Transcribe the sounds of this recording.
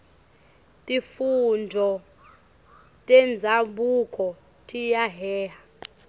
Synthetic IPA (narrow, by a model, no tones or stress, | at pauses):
tʼifundʱɔ | tʼɛnd͡zʱaɓukʼɔ | tʰʼijaɦɛːɦa